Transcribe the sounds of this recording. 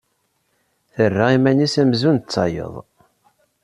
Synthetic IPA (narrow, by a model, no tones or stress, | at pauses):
θərːaimænisæmzunt͡sːɑ̰jə̰ðˤ